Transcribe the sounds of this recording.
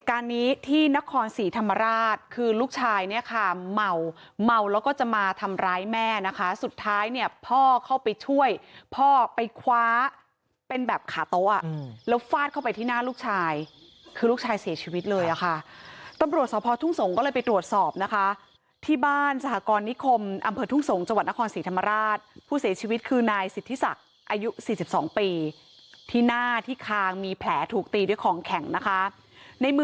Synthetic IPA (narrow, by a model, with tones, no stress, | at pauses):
kaː˧nːiː˦˥t̪ʰiː˥˩na˦˥kʰɔː˧nsiː˩˦t̪ʰa˧mːa˧ɾaː˥˩t̪̚kʰɯː˧luː˥˩k̚t͡ɕʰaː˧jni˥˩ɐkʰa˥˩ma˧wma˧wlɛː˦˥wkɔː˥˩t͡ɕa˨˩maː˧t̪ʰa˧mɾaː˦˥jmɛː˥˩na˦˥kʰa˦˥su˨˩t̪ʰːaː˦˥jni˥˩ɐpʰɔː˥˩kʰa˥˩wpa˧jt͡ɕʰu˥˩əjpʰɔː˥˩pa˧jkʰwaː˦˥ | pe˧nbɛː˨˩p̚kʰaː˩˦t̪o˦˥ʔ̚ʔa̰˨˩lɛː˦˥wfaː˥˩t̪̚ʰa˥˩wpa˧jt̪ʰiː˥˩naː˥˩luː˥˩k̚t͡ɕʰaː˧j | kʰɯː˧luː˥˩k̚t͡ɕʰaː˧jsi˨˩˦t͡ɕʰiː˧wi˦˥t̪̚lɤː˧jʔa˨˩kʰa˥˩t̪a˧mɾu˨˩ət̪̚sɔː˨˦pʰɔː˧t̪ʰu˥˩ŋso˩˦ŋkɔː˥˩ɤː˧jpa˧jt̪ɾu˨˩ət̪̚sɔː˨˩p̚na˦˥kʰa˦˥ | t̪ʰiː˥˩baː˥˩nsa˧hʰaː˨˦kɔː˧nːi˦˥kʰo˧mʔa˧mpʰɤː˧t̪ʰu˥˩ŋso˩˦ŋt͡ɕa˧ŋwa˨˩t̪̚na˦˥kʰɔː˧nsiː˩˦t̪ʰa˧mːa˧ɾaː˥˩t̪̚pʰuː˥˩si˩˦ɐt͡ɕʰiː˧wi˦˥t̪̚kʰɯː˧naː˧jsi˨˩t̪ʰːi˦˥sa̰˨˩k̚ | ʔaː˧ju˦˥siː˨˩si˨˩p̚sɔː˩˦ŋpiː˧ | t̪ʰiː˥˩naː˥˩t̪ʰiː˥˩kʰaː˧ŋmiː˧pʰlɛː˩˦t̪ʰuː˨˩k̚t̪iː˧du˥˩əjkʰɔː˩˦ŋkʰɛ˨˩˦ŋna˦˥kʰa˦˥ | na˧jmɯ˧